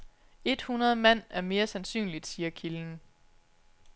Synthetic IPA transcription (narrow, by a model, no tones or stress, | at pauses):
e̝d̥hunɐð̞ˠmæn̰æɐme̝ːɐsænsy̰ːnlid̥siːɐkʰiln̩